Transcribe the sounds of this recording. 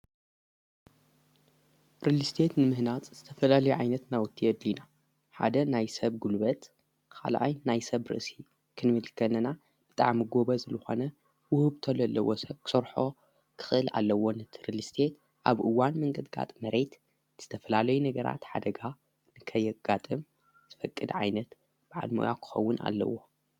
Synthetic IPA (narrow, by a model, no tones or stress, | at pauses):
ɾɨlɨst̪ʰe̞t̪nɨmɨhnat͡sʼzɨt̪ʰɐfɐlalɐjuʕajnɐt̪nawʊt̪ʰːiɨd̪lina | ħa̰d̪ɐnajsɐβɡulbɐt̪ | kʰa̰lʔa̰jnajsɐβɾɨ̰ʔsi | kʰɨnmɨlkʰːɐnɐna | b̥ɨt̪ʼa̰ʕmiɡo̞βɐzɨlɨxo̞̰nɐ | wʊhɨβt̪ʰɐlɐlːɐwosɐβkʰɨ̥soɾħo̞ | kʰɨ̥xɨʔɨlʔa̰lːɐwo̞nɨt̪ʰɨɾɨlɨst̪ʰe̞t̪ | ʔaβʔɨwanmɨŋɡɐd̪ɡa̰t̪ʼmɐɾe̞t̪ | z̥ɨt̪ʰɐfɐlalɐjunɐɡɐɾa̰t̪ħa̰d̪ɐɡa | nɨkʰɐjɛɡ̥at̪ʼɨm | z̥ɨfɐkʼːɨd̪ʕajnɐt̪ | b̥ɨʕa̰lmo̰jakʰɨ̥xɐwːʊna̰lːɐ̰wːo̞